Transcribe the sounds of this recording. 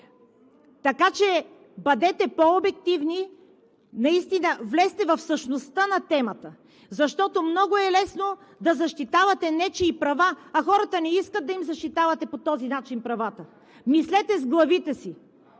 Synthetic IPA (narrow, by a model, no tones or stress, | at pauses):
t̪ɐkat͡ʃɛ | bɐd̪ɛt̪ɛpoobɛkt̪ivni | nɐist̪inəvlɛst̪ɛvɐfsəʃnost̪ənɐt̪ɛmɐt̪ə | zɐʃt̪ɔt̪omnɔɡoɛlɛsno | d̪ɐzɐʃt̪it̪avɐt̪ɛnɛt͡ʃɛːpɾɐvaɐxɔɾɐt̪ənɛiskəd̪̚ɐimzɐʃt̪it̪avɐt̪ɛpot̪ɔzinat͡ʃinpɾɐvat̪ə | mislɛt̪ɛzɡlˠɐvit̪ɛsi